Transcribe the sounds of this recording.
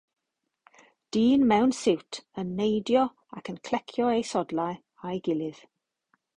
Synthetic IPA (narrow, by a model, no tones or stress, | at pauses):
d̥iːnmɛwnsɪwtʰənːejdjɔ | a̰kənkʰl̥ɛkʰjɔejsɔdlˠaɨ | ajɡɪlˠɪð̥